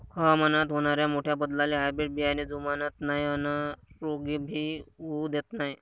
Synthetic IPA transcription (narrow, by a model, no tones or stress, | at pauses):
kʰəmənat̪ɦoɽ̃aɾjamoʈʰjabəd̪laleɦajbɾeʈ̚bijanid͡zumanət̪najənəɾoɡibʱiːud̪et̪naj